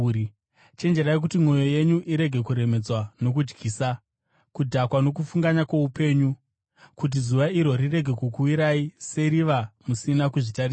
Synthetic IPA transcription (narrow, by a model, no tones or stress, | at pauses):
t͡ʃend͡ʒeɾajek̬utimo̞jo̞je̞ɲuʔiɾe̞ɡʱe̞kuɾe̞me̞d͡zwano̞k̬ud͡ʒɡiːsa | kudʱakwano̞k̬ufuŋɡaɲakwoupe̞ɲu | kut̬izuʋaiɾo̞rire̞ɡʱe̞kukuwiɾaise̞ɾiʋamusinakuʐitari